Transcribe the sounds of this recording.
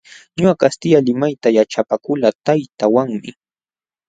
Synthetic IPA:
ɲʊakast̪ɪʎalɪmajt̪ajaʈ͡ʂapakʊlat̪ajt̪awaŋmɪ

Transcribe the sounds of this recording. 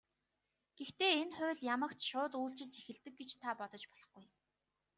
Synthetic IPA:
ɡ̥ext̪eːenχʊ̟ːɮjamə̆kt̪ʃʊːt̪uːɬt͡ɕɪ̆t͡sʰe̥xɘ̆ɮt̪ɘ̆k̚ɡet͡ɕt̪ʰapɔt̪ɞ̆t͡ɕpɔɮ̥ɞ̆χɡuj

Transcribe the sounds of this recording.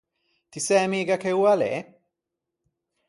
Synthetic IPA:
t̪isɛmiːɡakeuːalɛ̰

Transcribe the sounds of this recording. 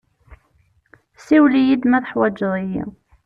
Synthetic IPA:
siwlijid̪mæθəħwæd͡ʒːðˤijḭ

